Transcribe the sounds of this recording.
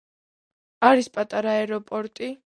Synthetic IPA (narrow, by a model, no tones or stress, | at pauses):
aɾispʼat̪ʼaɾaɛɾɔpʼɔɾt̪ʼi